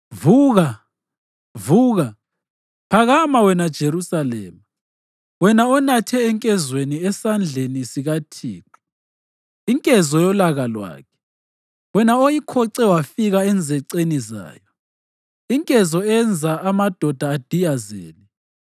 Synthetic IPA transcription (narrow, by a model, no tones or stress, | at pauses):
vuːɣa | vuːɣa | pʰaɣamawɛnad̥ʒ̥ʱerusalɛ̰ːma | wɛnaɔnatʰɛːŋkʼɛzweniɛsand͡ɮʱenisiɣatʰḭːǁʰu̥ | iŋkʼɛzɔjɔlaɣalwa̰ːkʰɛ̥ | wɛnaojikʰɔǀɛwafiɣaɛnd͡zʱɛǀeniza̰ːjɔ | iŋkʼɛzɔɛnd͡zʱaamad̥ʱɔd̥ʱaːd̥ʱijazḛːni